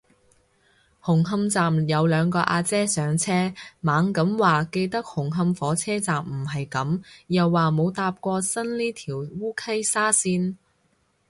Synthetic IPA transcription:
hʊ˨˩ŋɦɐ˧mt͡saː˨mjɐ˨˧wlœː˨˧ŋkɔː˧ʔaː˧t͡sɛː˥sœː˨˧ŋt͡sʰɛː˥maː˨˧ŋkɐ˨˥mwaː˨ke˧jt̪ɐ˥k̚hʊ˨˩ŋɦɐ˧mfɔː˨˥t͡sʰɛː˥t͡saː˨mm̩˨˩ɦɐ˨jkɐ˨˥mjɐ˨wːaː˨mo˨˧wt̪aː˧p̚kʷɔː˧sɐ˥nliː˥t̪ʰiː˨˩wwuː˥kʰɐ˥jsaː˥siː˥n

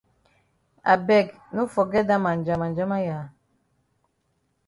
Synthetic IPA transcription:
a̰˨bɛ˦˨ɡ | nu˦fɔ˨ɡɛ˦da˦ma˨nd͡ʒa˨ma˨nd͡ʒa˦ma˦ja˨

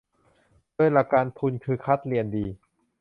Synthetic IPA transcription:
du˧˥˩əjla˧˩kaː˧nt̪ʰu˧nkʰɯː˧kʰa˦˥t̪̚li˧əndiː˧

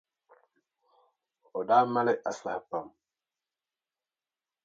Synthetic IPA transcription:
ɔ˨daː˦ma˦lɛ˦ʔa˨sla˨hpa˨m

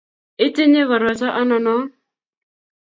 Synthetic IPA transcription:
ɪ˦te˦ɲe˦ɣɔ˨ɾɔ˨t͡ʃɔ˦ʔɔ˦nɔ˨nɔ˦

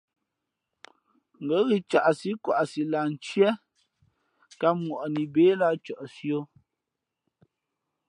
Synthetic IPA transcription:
ŋ̩˨ɡə˨˦ɣi˨t͡ʃa̰˨ʔsi˦kwa̰˨ʔsi˨la˨n̩˨t͡ʃjɛ˦ | ka˦mwɔ˨ʔɔ˨ni˨beː˨˦la˦t͡ʃɔ˨ʔsjo˦

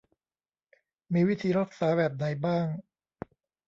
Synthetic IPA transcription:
miː˧wi˦˥t̪ʰiː˧ɾa˦˥k̚saː˩˦bɛː˨˩p̚na˩˦jbaː˥˩ŋ

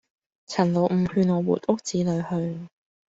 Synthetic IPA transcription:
t͡sʰɐ˨˩nlo˨˩wm̩˨˩hyː˧nŋɔː˨˧wṵː˨˩tʊ˥k̚t͡siː˨˧˥lɵ˨˧ɥhɵ˧ɥ

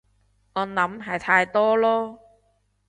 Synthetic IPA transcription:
ŋɔː˨˧nlɐ˨˥mɦɐ˨˩jt̪ʰaː˧jt̪ɔː˥lɔː˥

